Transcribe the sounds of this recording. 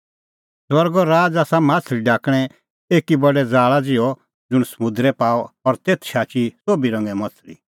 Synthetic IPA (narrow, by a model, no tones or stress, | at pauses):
swɐɾɡɔɾaːd͡ʒaːsamaːt͡sʰliɖaːkɽ̃ɛ | eːkibɐɖɛd͡zaːɭad͡zɪɔ | d͡zʊɽ̃səmʊ̃d̪ɾɛpaːɔɔɾt̪eːt̪ʰʃaːt͡ʃisoːbiɾɐ̃ŋɡɛmɐt͡sʰlḭ